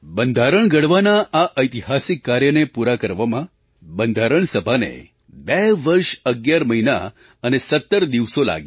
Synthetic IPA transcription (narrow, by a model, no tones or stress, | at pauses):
bənd̪ʱaɾəɳɡəɽʋanaʔaʔəjt̪iɦasikːaɾjənepuɾakəɾʋamã | bənd̪ʱaɾəɳsəbʱanḛ | bɛʋəɾʃəɡjaɾməɦina̰ | ənesət̪ːəɾd̪iʋsola̰ɡj